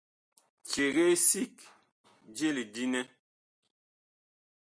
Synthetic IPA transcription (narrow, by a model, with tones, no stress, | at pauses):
t͡ʃe˨ɣe˦si˦k | d͡ʒe˦li˨di˦nɛ˦